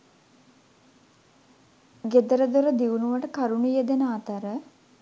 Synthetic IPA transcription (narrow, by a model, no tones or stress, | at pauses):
ɡed̪əɾəd̪oɾəd̪iʋunuʋəʈəkaɾunijəd̪enəat̪əɾə